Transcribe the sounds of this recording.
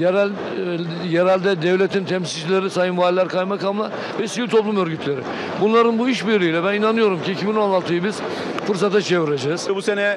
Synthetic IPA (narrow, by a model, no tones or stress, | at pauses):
jɾ | jeɾælʲd̪ɛd̪ɛvlʲet̪ʰint̪ʰɛmsild͡ʒilʲe̞ɾisajɯnvaːlʲlʲæɾkʰajmakamlˠa̰ | vɛsivilʲt̪ʰo̞plˠumø̞ɾɟyt̪ʰlʲe̞ɾɪ̰ | bunlˠaɾɯnbuiʃbiɾlʲijːlʲɛbæninanɯjo̞ɾumciicʰibino̞nlˠalˠt̪ʰɯjɯbiz̥ | fɯɾs̬at̪ʰat͡ʃʰe̞viɾed͡ʒɛz̥busenɛ